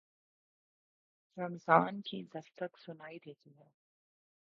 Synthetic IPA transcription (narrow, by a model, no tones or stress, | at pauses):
ɾɐmzaːnkʰid̪ɐst̪əksʊnaːid̪eːt̪iɦɛː